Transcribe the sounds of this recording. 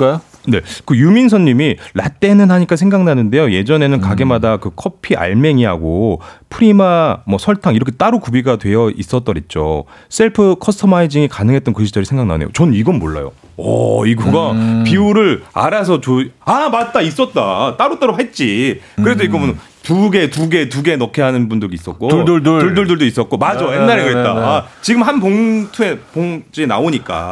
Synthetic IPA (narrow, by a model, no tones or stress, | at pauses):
kajo | ne̞kɯjumins̬ʰʌnːimila̰t͈e̞nɯnhaɲik͈as̬ʰeŋɡaŋnanɯnde̞joje̞d͡ʑʌne̞nɯnkaɡe̞madakɯkʰʌpʰiʔa̰ɭme̞ŋiɦa̰ɡopʰɯɾimamʌsʰʌɭtʰaŋiɾʌkʰe̞t͈aɾukubiɡadwe̞jʌʔis͈ʌt͈̚ʌɾit̚t͡ɕ͈o̰ | s͈e̞ɭpʰɯkʰʌstʰɯmaid͡ʑiŋikanɯŋɦet͈ʌnkɯɕʰid͡ʑʌɾisʰe̞ŋɡaŋna̰nḛjo̰t͡ɕʌnɯniɡʌnmoɭːa̰jo̰ | ʌ̰iɡuɡapiuɾɯɭa̰ɾas̬ʰʌt͡ɕoamat̚t͈ais͈ʌt̚t͈at͈aɾut͈aɾoɦat̚t͡ɕ͈ikɯɾe̞s̬ʰʌiɡʌmun | tuɡe̞tuɡe̞tuɡe̞nʌkʰe̞ɦanɯnbundɯɡiːs͈ʌt̚k͈oɭduɭduɭduɭduɭdois͈ʌt̚k͈omad͡ʑojennːaɾeɡɯɦet̚t͈aat͡ɕiɡɯmɦanpoŋtʰue̞poŋd͡ʑienaoɲik͈a̰